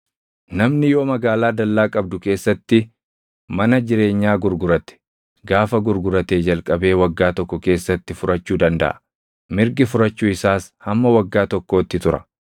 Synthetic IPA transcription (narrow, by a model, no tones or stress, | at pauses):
nɐmnɪjo̞ːmɐɡaːlaːd̪ɐlːaːkʼɐbd̪ʊke̞ːsːɐt̪ːɪ | mɐnɐd͡ʒɪɾe̞ːɲːaːɡʊɾɡʊɾɐt̪ɛ̥ | ɡaːfɐɡʊɾɡʊɾɐt̪eːd͡ʒɐlkʼɐbe̞ːwɐɡːaːt̪ɔkːɔke̞ːsːɐt̪ːɪfʊɾʔɐt͡ʃːuːd̪ɐnd̪ɐ̰ʔɐ̥ | mɪɾɡɪfʊɾɐt͡ʃːuːɪsaːshɐmːɐwɐɡːaːt̪ɔkːoːt̪ːɪt̪ʊɾɐ̥̰